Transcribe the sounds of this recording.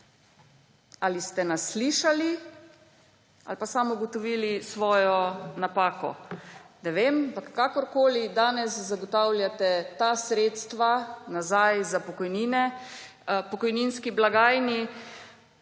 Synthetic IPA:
alist̪ɛnasliʃali | a̰lpasamuɡɔt̪ɔʋiːlisʋɔːjɔnapaːkɔ̰nɛʋemampakːakɔɾkoːlid̪aːnɛszaɡɔt̪awlʲjat̪ɛt̪asɾeːt̪st̪ʋanazajzapɔkɔjniːnɛ | pɔkɔjninskiblaɡaːjni

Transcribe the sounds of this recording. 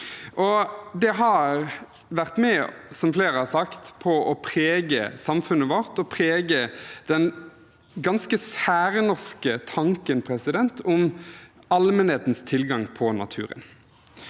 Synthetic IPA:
ʔɔd̪ɛɦɑɾ | ʋæʁt̪mɛsɔmfleːɾəhɑsɑkt̪pʰɔʔɔpʰɾeːɡəsɑmfʉnːəʋɔʁt̪ɔpʰʁeːɡəd̪̥ɛn | ɡɑnskəsæːɾənʊʁskət̪ʰɑŋkənpʰʁɛsɪd̪ɛnt̪ʰʊm | ɑlmənheːt̪nst̪ʰɪlɡɑŋpʰɔnɑ̰t̪ʰʉ̰ːɾə̰n

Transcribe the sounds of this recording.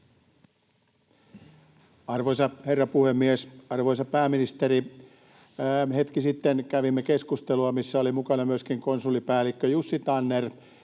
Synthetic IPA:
ɑrʋojsɑherːɑpuhemːiesɑrʋojsɑpæːminist̪eɾi | het̪kisit̪ːenkæʋimːekeskust̪eluɑmisːæolimukɑnɑmyøskiŋkonsulːipæːlːˑikːøjusːit̪ɑnːer

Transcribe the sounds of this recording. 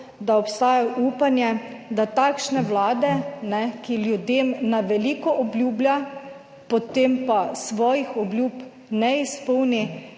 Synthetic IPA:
d̪aɔpst̪aːjaʔuːpanjɛd̪at̪aːkʃnɛwlaːd̪ɛnɛkiljud̪eːmnaʋɛliːkɔʔɔblʲjuːblja | pɔt̪empasʋɔːjixɔblʲjuːp | nɛispɔwni

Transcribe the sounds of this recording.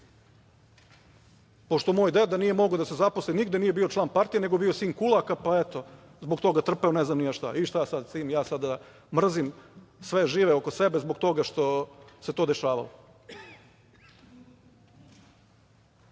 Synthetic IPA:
po̞ʃt̪o̞moːjd̪ed̪anije̞mo̞ɡod̪asezapo̞sliniɡd̪e̞nije̞bio̞t͡ʃlˠaːnpaɾt̪ije̞ne̞ɡoebio̞siːŋkulˠakapaet̪o̞ | zboɡt̪o̞ɡat̪r̩peoneznamnijaʃt̪a̰iʃt̪ajasad̪siːmjaːsad̪a | mr̩zimsʋe̞ʒiːʋeokosebe̞zboɡt̪o̞ɡaʃt̪o̞se̞t̪o̞ːd̪eʃaːʋa̰lo

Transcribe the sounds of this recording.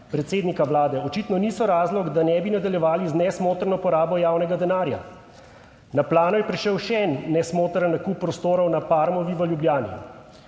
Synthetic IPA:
pɾɛt̪seːd̪nikaʋlaːd̪ɛɔt͡ʃiːt̪nɔniːsɔɾaːzlɔɡd̪anɛbinad̪aljɛʋaːliznɛsmoːt̪ɾnɔpɔɾaːbɔjaːwnɛɡad̪ɛnaːɾja̰ | naplaːnɔjɛpɾiʃɛwʃɛɛnːɛsmoːt̪ɾənakupːɾɔst̪oːɾɔwnapaːɾmɔʋiʋəljubljaːnḭ

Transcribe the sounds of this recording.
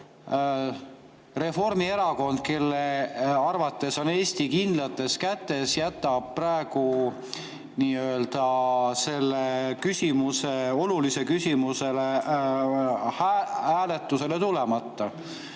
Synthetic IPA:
re̞fo̞rmie̞ɾɑko̞nd̪̥̚ke̞lːeɑrvɑt̪ːˑe̞so̞ne̞ːsʲt̪ikind̪lɑt̪ːˑe̞skæt̪ːˑe̞sjæt̪ːˑɑb̥̚præeɡu | niːøld̪̥ɑse̞lːekysʲimuse̞o̞lulise̞kysʲimuse̞le | hæhæːle̞t̪ːˑuse̞le̞t̪ulemɑt̪ːɑ

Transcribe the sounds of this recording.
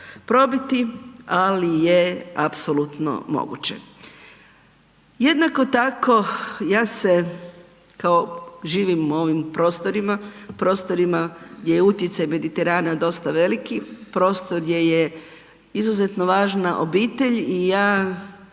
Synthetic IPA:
pɾo̞bit̪ialijeapsolut̪no̰mo̰ɡṵt͡ɕe̞̰ | jed̪nako̞t̪ako̞jaːse | kaoʒiːʋimuo̞ʋimpɾo̞ːst̪o̞ɾimapɾo̞ːst̪o̞ɾimaɡd̪jejeut̪je̞t̪sajme̞d̪it̪e̞ɾaːnad̪o̞st̪aʋe̞likipɾo̞ːst̪oɾɡd̪ʲje̞je | izuze̞t̪no̞ʋaːʒnaʔo̰biːt̪e̞ʎijaː

